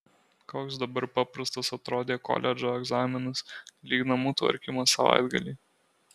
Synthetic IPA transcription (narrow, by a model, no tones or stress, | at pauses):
koːksd̪ɐbɐɾpɑpɾɐst̪ɐsɐt̪ɾoːd̪ʲeːkɔ̰ːlʲʔɛd͡ʒoːɛɡzɑːmʲɪnɐslʲiːɡnɐmuːt̪ʋɐ̰ɾʲkʲimɐsɐʋɑ̰ɪd̪ɡɐ̰lʲiː